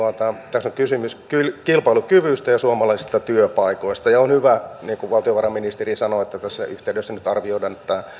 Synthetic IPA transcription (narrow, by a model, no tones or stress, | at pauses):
ɑt̪ɑt̪æsːoŋkysymyskylkilpɑilukyʋyst̪æjɑsuɑmɑlɑisi̥st̪ɑt̪yøpɑikoist̪ɑjɑonhyʋæniːŋkuʋʋɑlt̪ioʋɑrɑmːinist̪erisɑnoet̪ːæt̪æsːæ̰ʔyht̪eydøsːænyt̪ɑrʋioidɑnet̪ːæ